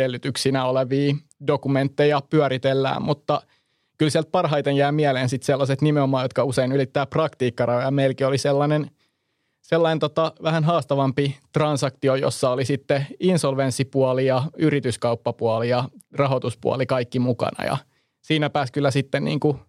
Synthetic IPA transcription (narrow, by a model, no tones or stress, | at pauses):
elːyt̪yksinæoleʋiː | dokument̪ːejɑpyæɾit̪elːæ̰ːmmut̪ːɑ | kylsiælt̪̚pɑrɦɑit̪enjæimiæleːnsit̪selːɑset̪nimeomɑːjot̪kɑuseinylit̪ːæːprɑkt̪iːkːɑrɑjojɑmeilkioliselːɑnen | selːɑnent̪ot̪ɑʋæhænɦɑːst̪ɑʋɑmpit̪rɑnsɑkt̪iojo̰sːɑolisit̪ːeinsolʋensːipuɑlijɑyrit̪yskɑupːɑpuɑlijɑrɑɦot̪uspṵɑ̰likɑikːimukɑ̰nɑ̰jɑ̰ | siːnæpæːskylːæsit̪ːennḭːŋku